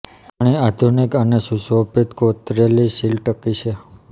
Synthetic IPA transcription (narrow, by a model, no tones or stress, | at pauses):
paɽ̃iad̪ʱunikənesusʋopit̪kot̪ɾelisilʈəkit͡ʃʰe